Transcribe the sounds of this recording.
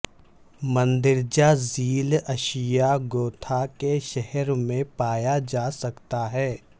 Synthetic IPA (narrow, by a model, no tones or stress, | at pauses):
mə̃nd̪ɪɾd͡ʒaziːlɐʃijaɡoːt̪ʰakeʃɛɦɛɾmẽpaːjad͡ʒaːsɐkt̪aɦɛː